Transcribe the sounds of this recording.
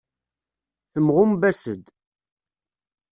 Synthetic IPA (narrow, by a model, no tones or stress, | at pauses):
θəmʁʊmbæsəd̪